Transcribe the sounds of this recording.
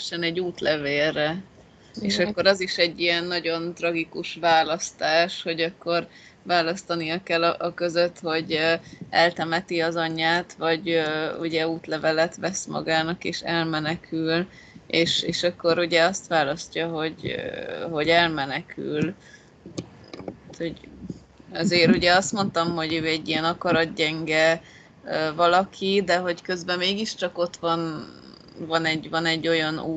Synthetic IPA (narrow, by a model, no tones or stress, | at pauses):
ʃɛnɛɟːuːt̪lɛveːrːɛ | eːʃɒkːo̞ɾɒziʃɛɟːijɛnːɒɟo̞nt̪rɒɡikuʃʋaːlɒst̪aːʃho̞ɟɒkːo̞r | vaːlɒst̪ɒnijɒkɛlːɒʔɒkø̞zøt̪ho̞ɟøɛlt̪ɛmɛt̪iɒzɒɲːaːt̪ʋɒɟøuɟɛuːt̪lɛvɛlɛt̪ʋɛsmɒ̰ɡaːnɒkeːʃɛlmɛnɛkʰyl | eːʃeːʃɒkːo̞ɾuɟɛɒst̪ʋaːlɒscɒɦo̞ɟ | ɦo̞ɟɛlmɛnɛkʰy̰l | t̪ho̞ɟ | ɛzeːɾuɟɛɒst̪mo̞nt̪ɒmho̞ɟøːɛɟːijɛnɒkɒɾɒt̪̚ɟɛŋɡɛ | øːvɒlɒkʰid̪ɛɦo̞ckø̞zbɛmeːɡiʃt͡ʃɒko̞t̪ʋɒn | vɒnɛɟvɒnɛɟːo̞jɒnuː